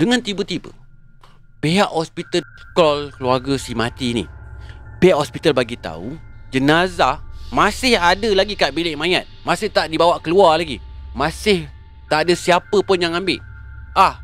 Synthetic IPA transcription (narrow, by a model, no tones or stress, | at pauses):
dəŋãnt̪ibət̪ibə̰ | peɦaʔhospit̪əkɔlkəluarɡəsimat̪inḭpeɦaʔhɔspit̪albaɡit̪a̰ṵd͡ʒənazamasɪhadəlaɡikaʔbilɪʔmajat̪̚masɪht̪aʔdibawaʔkəluarlaɡi | mãsɪh | t̪aʔadəsiapəpʊnjaŋambɪʔ | ah